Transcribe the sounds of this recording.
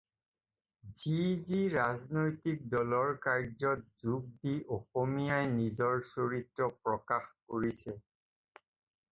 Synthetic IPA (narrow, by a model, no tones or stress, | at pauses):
ziziɹaznojtik̚dɔlɔɹkaɹzɔt̚zuɡ̚diʔoxomijajnizɔɹsoɹitɹɔpɹɔkaxkoɹisɛ